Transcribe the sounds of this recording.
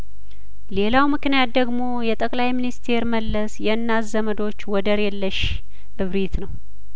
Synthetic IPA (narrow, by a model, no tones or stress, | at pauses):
le̞lawmɨknijat̪̚d̪əɡmo̞jɛt̪ʼəkʼlajminist̪ʰe̞ɾməlːəsjɛnːazəməd̪o̞t͡ʃːwɔd̪əɾɛlːəʃ | ʔɨβɾit̪nəw